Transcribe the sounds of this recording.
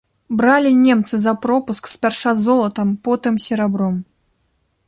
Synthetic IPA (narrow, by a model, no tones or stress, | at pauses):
bɾalʲinʲɛmt̪sɨzɐpɾɔpuskspʲarʂazɔlˠɐt̪ɐmpɔt̪ɨmsʲɛɾabɾɔm